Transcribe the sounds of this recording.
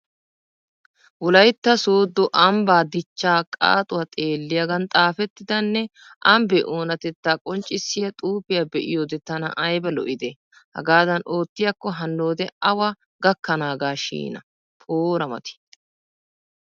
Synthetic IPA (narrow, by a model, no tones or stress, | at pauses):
wɔlɐjt̪ːɐsoːd̪ːɔʔɐmbaːd̪ɪt͡ʃːaːkʼa̰ːt̪ʼʊwɐt̪ʼe̞ːlːɪjɐɡɐnt̪ʼaːfɛt̪ːɪd̪ɐnːɛ | ʔɐmbɛʔoːnɐt̪ɛt̪ːaːkʼɔnt͡ʃʼːɪsːɪjɐt̪ʼuːbɪjabɛʔɪ̰joːd̪ɛt̪ːɐnɐ̰ʔɐjbɐlɔ̰ʔɪd̪ɛ | hɐ̰ɡaːd̪ɐno̞ːt̪ːɪjɐkːɔɦɐnːo̞ːd̪ɛɐwɐ | ɡɐkːɐnaːɡaːʃḭːnɐ | pʰoːɾɐmɐ̰t̪ɪ̥